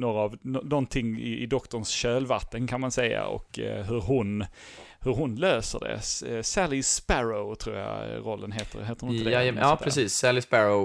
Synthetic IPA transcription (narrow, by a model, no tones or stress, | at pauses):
noːɾaːvnɔnɔnt̪ʰɪŋːɪ̰ɪd̪ɔkt̪ɔɳsɕøːlvat̪ːənkʰanmansɛjːa̰ɔ̰kɦɵɾɦʊn | hɵɾɦʊnløːsə̰ɖɛ̰ssælɪspæɾoʊt̪ʰɾuːɾja̰ɾɔlːənɦeːt̪ə̰ɦeːt̪əɾʊnɪɪɛɑːpʰɾɛsiːsːælɪspæɾoʊ